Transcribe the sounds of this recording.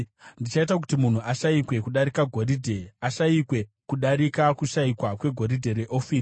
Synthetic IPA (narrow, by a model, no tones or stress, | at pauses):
ndit͡ʃait̬ak̬utimun̤uʔaʃaikwe̞kuɗaɾikaɡʱo̞ɾidʱe̞aʃaikwe̞kuɗaɾikakuʃaikwakwe̞ɡʱo̞ɾidʱe̞ɾe̞ʔo̞fiː